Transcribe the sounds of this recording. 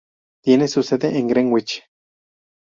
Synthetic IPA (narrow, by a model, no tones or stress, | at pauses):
t̪jenesuseðeʔeŋɡɾeŋwit͡ʃ